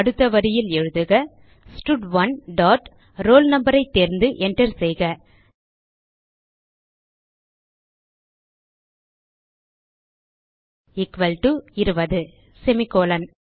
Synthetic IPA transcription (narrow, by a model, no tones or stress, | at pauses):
ɐɽɯt̪ːɐʋɐɾɪjɪlɛɻɯðɯɣɐ | sʈʊɖʋɐnɖaːʈ | ɾoːlnɐmbɐɾɐɪt̪ːeːɾnd̪ɯʔɛɳʈɐɾsɛjɣɐ | ɪkʋɐlʈuɪɾɯbɐðɯ | sɛmɪkːoːlɐn